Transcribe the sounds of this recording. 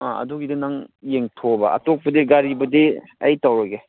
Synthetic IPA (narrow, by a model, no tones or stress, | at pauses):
aɐ̰duɡidɐnaŋjeŋtʰobɐa̰tok̚pɐdiɡaɾibɐdi | ɐjtawɾɐɡe